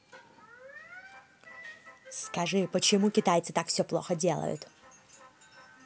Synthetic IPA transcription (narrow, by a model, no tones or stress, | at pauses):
skɐʐɨpət͡ɕɪmukʲɪt̪ajt̪sɨt̪akfsʲɔplˠo̰xədʲelˠə̰jʊ̰t̪